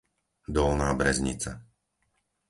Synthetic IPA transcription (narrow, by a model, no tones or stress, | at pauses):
d̪ɔlnaːbɾɛzɲḭt͡sa